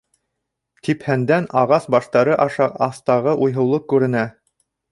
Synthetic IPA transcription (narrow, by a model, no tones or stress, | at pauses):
t̪ʰiphænd̪ænɑʁɑsbɑʃt̪ɑɾɤʔɑʃɑqɑθt̪ɑʁɤʔujɦɤ̆wlˠɤkʉɾɘ̆næ